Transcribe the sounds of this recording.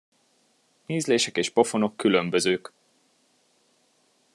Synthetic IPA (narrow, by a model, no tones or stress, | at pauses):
neːzleːʃɛkeːʃpo̞fo̞no̞kːylømbøzøːk